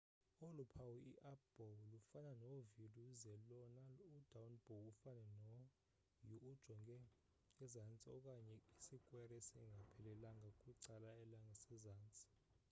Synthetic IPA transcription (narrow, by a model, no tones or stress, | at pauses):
olupʰawiʔiʔab̥ɔwlufananoviluzɛlɔnalud̥ʱawnb̥ʱɔufanɛnɔ | juːd̥ʒ̥ʱɔŋɡʱɛ | ɛzant͡sʼiɔk̬ʼaɲɛisikʼwɛɾɛsḭŋɡʱapʰɛlɛlaŋɡʱakʼwiǀalaɛlaŋasɛzaːnt͡sʼi̥